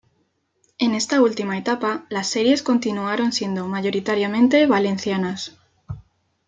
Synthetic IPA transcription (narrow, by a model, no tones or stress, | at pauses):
e̞ne̞st̪ault̪imae̞t̪apalasːe̞ɾje̞sko̞nt̪inuaɾo̞nsje̞nd̪omaʝo̞ɾit̪aɾjamẽnt̪e̞βale̞n̟θjanas